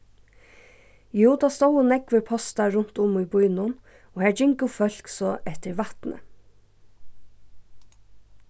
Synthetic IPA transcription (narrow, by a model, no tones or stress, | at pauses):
juːt̪ɑːst̪owənɛkʋɪpʰɔst̪ɑɾʊn̥t̪ʊmiːbɔʏnʊn | oːhæːd͡ʒɪŋkəfœɬksɔʔɛt̪əɹʋɑht̪nʔə̰